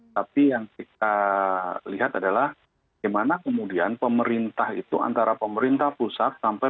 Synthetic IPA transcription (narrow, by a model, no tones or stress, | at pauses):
t̪apijaŋt̪ik̚a | liɦat̪adalah | ɡamanakəmudianpəməɾint̪ahit̪ua̰nt̪aɾapəməɾint̪ahpusat̪̚sampa